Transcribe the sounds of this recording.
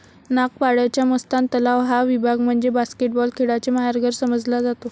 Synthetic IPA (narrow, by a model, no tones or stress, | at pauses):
nak̚paɽjat͡ɕjaməst̪ãnt̪əlaʋɦaʋibʱaɡm̤əɳd͡zebaskeʈ̚bɔlkʰeɽat͡ɕemaɦjaɾɡʱəɾsəməd͡zlad͡zat̪o